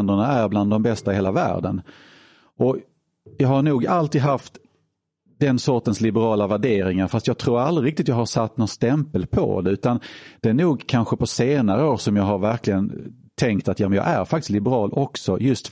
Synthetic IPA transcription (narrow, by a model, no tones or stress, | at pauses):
nd̪əɳaæɾbland̪ːɔmbɛst̪aɪheːlavæ̰ːɖə̰n | ʔɔ | jɑːhaɾɳuːɡalt̪iːd̪ɦaft̪ | d̪ɛnsɔʈənslɪbəɾɑːlavæɖeːɾɪŋaɾfast̪jɑːɡ̚t̪ʰɾuːɾald̪ɾɪɾɪk̚t̪ɪt̪jɑːɡhaɾʂat̪ːnɔnst̪ɛmpəlpʰɔ̰d̪ɛʉ̟ːt̪and̪̥ɛæːɳuːɡkʰanɧəpɔseːnaɾəoːɾsɔmjɑːɡɦaɾvæɾklɪɡən | t̪ʰɛŋkt̪at̪jɑːmənjɑ̰ːɡʔæ̰ɾfak̚t̪ɪslɪbəɾɑːlʔɔksɔjɵst̪